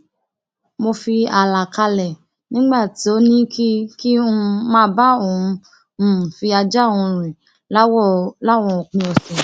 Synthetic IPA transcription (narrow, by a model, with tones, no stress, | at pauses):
mo˧fi˧a˨la˨ka˧lɛ˨ | nĩ˦ɡ͡ba˦˨ti˨˦o˦nĩ˦kʰi˦kĩ˦˧˦mãː˦ba˦o˦˨ũ˧˨ | fi˧a˧d͡ʒa˦˨ũ˨˧ɾĩ˨ | lla˦wɔ̃˧˨ɔ˨k͡pĩ˧ɔ˨sĩ˨